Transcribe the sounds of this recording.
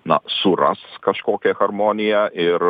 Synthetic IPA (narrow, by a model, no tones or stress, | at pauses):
nɐ̰sʊɾɐ̰skɐʃkoːkʲɛxɐɾmoːnʲɪjɛʔɪɾ